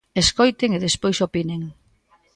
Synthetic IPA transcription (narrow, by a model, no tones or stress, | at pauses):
eskojt̪eŋeðespojsopineŋ